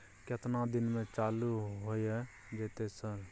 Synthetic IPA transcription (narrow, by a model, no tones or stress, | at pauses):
kɪt̪nad̪ɪnmẽt͡ʃaːluɦoiɦɛ | d͡ʒɛːt̪esəɾ